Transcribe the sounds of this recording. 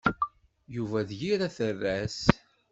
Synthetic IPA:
juvæðjiɾæθərːæs

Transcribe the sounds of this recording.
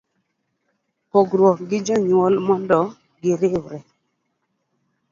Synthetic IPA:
pɔɡɾwɔkɡɪd͡ʒɔɲwɔlmɔndɔ | ɡɪɾɪwɾɛ

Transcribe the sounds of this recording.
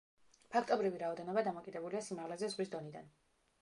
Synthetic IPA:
pʰakʰt̪ʼɔbɾiviɾaɔd̪ɛnɔbad̪amɔkʼid̪ɛbuliasimaʁlɛzɛzʁwis̬d̪ɔnid̪a̰n

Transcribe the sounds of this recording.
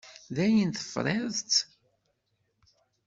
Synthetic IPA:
ðæjənθə̥fɾˤeðt͡s

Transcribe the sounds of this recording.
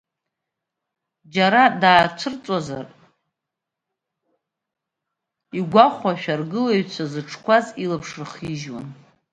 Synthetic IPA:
d͡ʒaɾadaːt͡ʃʷʰɨrt͡sʼaza̰r | iɡʷaχʷaʃᶣarɡɨlaɥt͡sʷʰazɨʈ͡ʂʰkʷʰazilapʰʂrχiʒwa̰n

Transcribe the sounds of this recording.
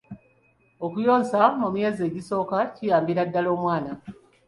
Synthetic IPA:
okujo̞ːnsamumje̞ːze̞ːɟiso̞ːkacijaːmbiɾadːalo̞ːmwaːna

